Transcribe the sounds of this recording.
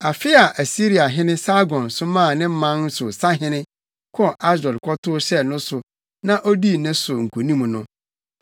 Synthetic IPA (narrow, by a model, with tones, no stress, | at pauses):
a˨fɪ˦a˨ʔæ˨si˦ɾi˨a˨ɦɪ̃˦nɪ̃˦sa˦ɡɔ̃˨nsʊ˦mã˦˨nɪ̃˦m̩˦mã˦n̩˦sʊ˨sa˦ɦɪ̃˦nɪ̃˦ | kʰɔ˦˨ʔa˦s̬ɛ˨lkʰɔ˦tʰʊ˦ɕɛ˦nʊ̃˦sʊ˨ | nã˦ʔo˦di˦nɪ̃˦sʊ˨ŋ̩˨kʰu˨nĩ˦m̃˨nʊ̃˦